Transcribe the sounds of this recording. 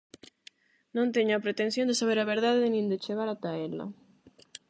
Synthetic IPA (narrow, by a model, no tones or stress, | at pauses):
nõnt̪eɲoapɾet̪en̟θjond̪esaβ̞eɾaβeɾðaðenĩnd̪et͡ʃeɣaɾat̪aela̰